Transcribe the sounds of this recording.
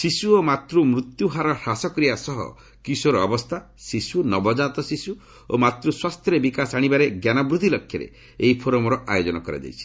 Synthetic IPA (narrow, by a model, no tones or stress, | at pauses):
sisuomat̪ɾumɾut̪juɦaɾɔɾasɔkɾijasɔɦɔ̰ | kisoɾɔɔbɔst̪ʰa | sisunɔbɔd͡ʒat̪ɔsisu | o̰mat̪ɾuswast̪ʰjɔɾebikasaɽ̃ibaɾeɡjanabɾud̪ʱilɔkʰːjɔɾḛ | eipʰoɾɔmɔɾɔʔa̰jod͡ʒɔnɔkɔɾa̰d͡ʒ̪ḛjt͡ʃʰi̥